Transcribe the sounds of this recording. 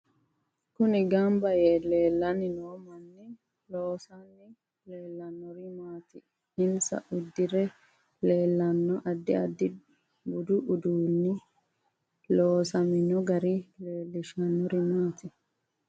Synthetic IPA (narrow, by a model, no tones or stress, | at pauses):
kʊnɪɡɐmbɐjɛleːlːɐnɪnoːmɐnːɪ | loːsɐnːɪ | leːlːɐnːɔɾɪmaːt̪ɪ | ɪnsɐ̰ʔʊd̪ːɪɾɛ | le̞ːlːɐnːɔʔɐd̪ːɪɐd̪ːɪ | bʊd̪ʊʔʊd̪uːnːɪ | loːsɐmɪnɔɡɐɾileːlːɪʃɐnːɔɾɪmaːt̪ɪ